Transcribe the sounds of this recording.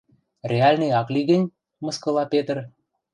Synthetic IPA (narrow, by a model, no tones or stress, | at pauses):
rʲeɑlʲnĕjɑklʲiɣə̆nʲ | mɤ̆skɤ̆lɑpet̪ər